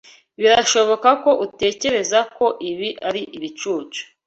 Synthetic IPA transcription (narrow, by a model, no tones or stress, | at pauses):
βiɾaʃo̞βo̞kako̞ʔute̞ːce̞ɾe̞zako̞ʔiβiʔaɾiʔiβit͡ʃuːt͡ʃu̥